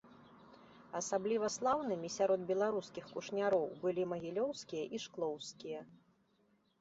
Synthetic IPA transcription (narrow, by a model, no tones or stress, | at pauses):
ɐsablʲivɐslˠawnɨmʲisʲaɾɔd̪̚bʲɛlˠaɾuskʲixkuʂnʲaɾɔwbɨlʲimɐɣʲilʲɔwskʲijɐʔiʂklˠɔwskʲijɐ